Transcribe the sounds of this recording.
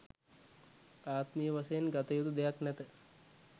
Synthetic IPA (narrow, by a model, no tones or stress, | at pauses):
aːt̪mijəʋɐsɐjnɡɐt̪ɐjut̪ud̪ejaknɛt̪ə